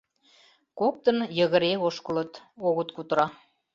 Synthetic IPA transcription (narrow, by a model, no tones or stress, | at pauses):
kok̚t̪ənjə̆ɣə̆ɾeoʃkələ̆t̪oɣə̆t̪kut̪ɾɑ